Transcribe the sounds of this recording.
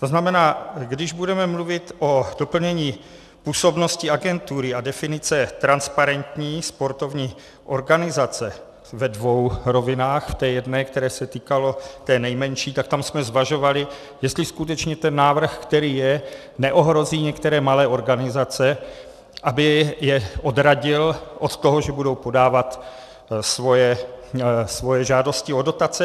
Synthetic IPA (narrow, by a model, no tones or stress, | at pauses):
t̪oznamɛnaːɡdɪʒbudɛmɛmluvɪt̪ʔod̥o̞pl̩ɲɛɲiː | puːso̞bno̞scɪaɡɛnt̪uɾɪadɛfɪnɪt͡sɛt̪ɾanspaɾɛnt̪ɲiːspo̞ɾt̪o̞vɲiː | ʔo̞ɾɡanɪzat͡sɛ | vɛdvo̞wɾo̞vɪnaːxft̪ɛːjɛdnɛːkt̪ɛɾɛːsɛt̪iːkalo̞t̪ɛːnɛjmɛnʃiːt̪ak̚t̪amsmɛzvaʒo̞valɪ | jɛst̪lɪskut̪ɛt͡ʃɲɛt̪ɛnːaːvr̩xkt̪ɛɾiːjɛ | nɛʔo̞ɦɾo̞ziːɲɛkt̪ɛɾɛːmalɛːʔo̞ɾɡanɪzat͡sɛ | ʔabɪjɛʔo̞d̪ɾaɟɪlʔo̞t̪t̪o̞ɦoʒɛbudo̞wpo̞daːvat̪ | svo̞jɛ | svo̞jɛʒaːdo̞scɪodo̞t̪at͡sɛ